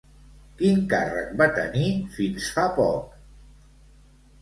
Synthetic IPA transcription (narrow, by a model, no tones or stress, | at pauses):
kiŋkarə̰k̚bat̪ə̰nifinsfapɔk̚